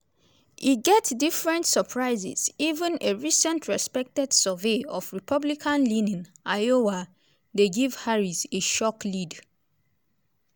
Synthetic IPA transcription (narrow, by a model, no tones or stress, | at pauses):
iɡɛtdifɹɛ̃ntsəpʰɹaɪzɛ̰z̥ivə̃neɹisɛ̃ntʰɹɛspɛk̚tɛd̥səveɔfɹipʰʌblikʰãnlinĩnajowa | deɡiv̥haɹiseʃɔklid